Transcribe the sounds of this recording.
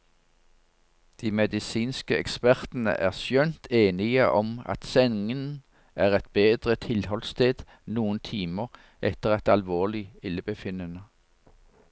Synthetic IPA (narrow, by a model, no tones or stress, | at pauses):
d̪̥iːmɛd̪ɪsiːnskəɛ̰kspæʁt̪n̩ə̰ʔæːʁsjœnt̪ʰeːnɪəʔɔmɑ̰t̪sɛnŋən | ʔæːʁɛt̪̚beːd̪ʁət̪ʰɪlhɔlst̪ʰeːd̪̥ | nuːənt̪ʰiːməʁ | ʔɛt̪əʁɛt̪ɑlʋoːlɪɪlːəbəfɪnənə